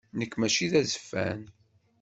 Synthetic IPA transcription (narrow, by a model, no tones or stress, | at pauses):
nəkːmæt͡ʃiðæzə̥fːæ̰n